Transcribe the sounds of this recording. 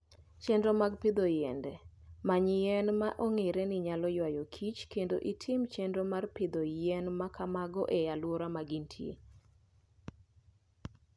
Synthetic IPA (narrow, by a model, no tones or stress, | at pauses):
t͡ʃendɾomaɡpɪd̪ojɛndɛmaɲɪjɛnmaʔoŋeɾɛnɪɲalɔjwajokʰit͡ʃkendoʔitʰɪmt͡ʃendomarpɪd̪ojɛnmakʰamaɡɔʔɛjalwoɾamaɡintʰjḛ